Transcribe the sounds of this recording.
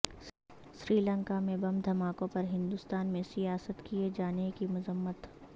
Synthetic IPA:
sɾiːlə̃ŋkamẽbɐmd̪ʱɐmaːkõpɐɾɦɪ̃nd̪ʊst̪aːnmẽsijaːsət̪kied͡ʒaːnekimʊzəmːət̪

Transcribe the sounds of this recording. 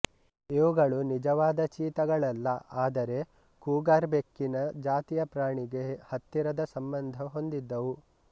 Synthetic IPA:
iʋuɡɐɭunid͡ʒɐʋaːd̪ɐt͡ʃiːt̪ɐɡɐɭɐlːɐaːd̪ɐɾe̞ | kuːɡaːɾbekːinɐd͡ʒaːt̪ijɐpɾaːɳiɡehɐt̪ːiɾɐd̪ɐsɐmbɐnd̪ʱɐɦo̞nd̪id̪ːɐʋu

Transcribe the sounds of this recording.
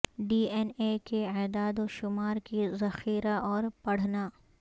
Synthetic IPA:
ɖiːenekeɛːd̪aːd̪oʃʊmaːɾkizɐxiːɾaɔːɾpɐɽ̤naː

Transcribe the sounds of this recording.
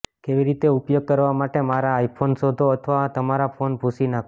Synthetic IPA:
keʋiɾit̪eupjoɡ̚kəɾʋamaʈemaɾaːipʰonsod̪ʱoət̪ʰəʋat̪əmaɾafonbʱusinak

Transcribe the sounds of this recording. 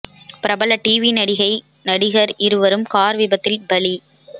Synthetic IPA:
pɪɾɐbɐlɐʈiːʋinɐɽɪɣɐɪ | nɐɽɪɣɐɾʔɪɾɯʋɐɾɯmkaːɾʋɪbɐt̪ːɪlbɐli

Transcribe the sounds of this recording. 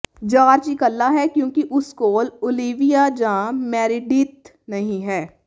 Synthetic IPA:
d͡ʒaːɾt͡ʃikəlːaɦɛkjõːkiʔʊskoːlʊliːʋijad͡ʒãːmɛːɾɪɖit̪ | nɐɦĩɦɛː

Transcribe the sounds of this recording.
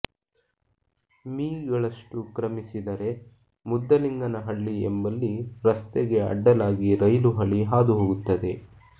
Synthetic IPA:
miːɡɐɭɐʂʈukɾɐmisid̪ɐɾe̞ | mud̪ːɐliŋɡɐnɐɦɐɭːiembɐlːiɾɐst̪eɡe̞ɐ̰ɖːɐlaːɡiɾɐjluɦɐɭiɦaːd̪uɦoːɡut̪ːɐd̪e̞

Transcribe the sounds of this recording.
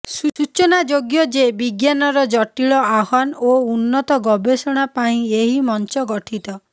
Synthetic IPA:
suut͡ʃɔnad͡ʒoɡjɔd͡ʒebiɡjanɔɾɔd͡ʒɔʈiɭɔaɦɔnounːɔt̪ɔɡɔbesɔɽ̃apaĩeɦimɔnt͡ʃɔɡɔʈʰit̪ɔ

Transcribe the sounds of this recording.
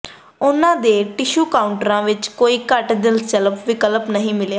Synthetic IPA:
ʊnãːd̪eːʈɪʃuːkaːʊɳʈəɾãːʋɪt͡ʃkoːiːkəʈd̪ɪlst͡ʃələpʋɪkələpnəɦĩːmɪleː

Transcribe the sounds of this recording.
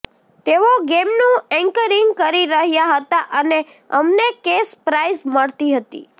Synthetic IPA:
t̪eʋoɡemnũɛ̃ŋkəɾiŋɡkəɾiɾəɦjaɦət̪aʔəne | əmnekespɾaizməɭt̪iɦət̪ḭ

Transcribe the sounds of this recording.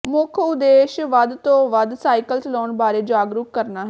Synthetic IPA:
mʊkʰʊd̪eːʃʋəd̪t̪õːʋəd̪saːikəlt͡ʃəlɔːnbaːɾeːd͡ʒaːɡɾuːkːəɾnaːɦɛ

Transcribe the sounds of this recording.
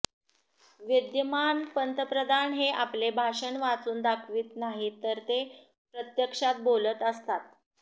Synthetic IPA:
ʋid̪jəmanpənt̪əpɾəd̪ʱanɦeʔaplebʱaʂəɳʋat͡suːnd̪akʰʋiːt̪naɦit̪ːəɾt̪e | pɾət̪jəkʂat̪̚bolət̪əst̪at̪̚

